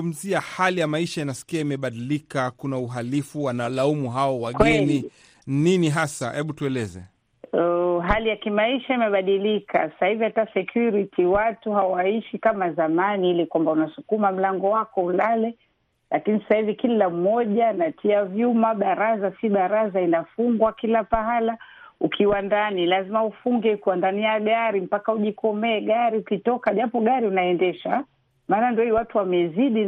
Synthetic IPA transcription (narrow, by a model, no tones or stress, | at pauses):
um̩ziahalijamaiʃainasi̥kiaimɛɓaɗilikakunauɦalifuwanalaumuɦaɔwaɡwɛni | niniɦasahɛɓutuɛlɛzɛ̰ | ɦalijakimaiʃaimɛɓaɗilikʰa̰sḁsahivihatasɛkʰjuɾitʰiwatuhawaiʃikamazamaniilikwambaunasukumam̩laŋɡɔwakɔulalɛ | lakinisḁsahivikilam̩mɔʄanatʰiavjumaɓaɾazasiɓaɾazainafuŋɡwakilapaɦalaukʰiwandanilazimaufuŋɡɛkuwandaniaɠaɾim̩pakauʄikɔmɛːɡaɾiukitɔkaʄapɔɠaɾiunaɛndɛʃa | maːnandiɔiwatuwamɛziɗi